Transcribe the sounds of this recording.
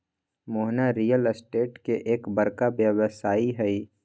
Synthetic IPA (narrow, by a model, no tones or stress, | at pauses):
moɦnaɾiːjəlsʈeːʈkeʔeːkbɐɾkabjəʋəsaːiɦɛi